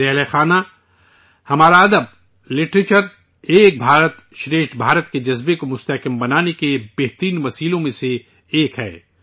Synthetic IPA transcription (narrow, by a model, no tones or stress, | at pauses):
ɛːɦlexaːna | hɐmaːɾaɐd̪əb̚ | lɪʈɾeːt͡ʃəɾ | eːk̚bʱaːɾət̪ | ʃɾeːʃt̪bʱaːɾət̪ked͡ʒɐzbekomʊst̪ɐɦkəmbɐnaːnekebeːɦt̪ɾiːnʋɐsiːlõmẽse | eːkɦɛ̰ː